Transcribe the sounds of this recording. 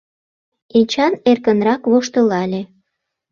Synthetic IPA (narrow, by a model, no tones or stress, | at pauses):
enʲt͡ɕɑnerkənrɑkβoʃt̪ə̆lɑlʲe